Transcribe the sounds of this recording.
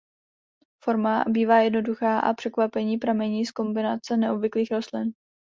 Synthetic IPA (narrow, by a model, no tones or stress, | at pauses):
fo̞ɾmabiːvaːjɛdno̞duxaːʔa̰pr̝̥ɛkvapɛɲiːpɾamɛɲiːsko̞mbɪnat͡sɛnɛʔo̞bvɪkliːxɾo̞st̪lɪn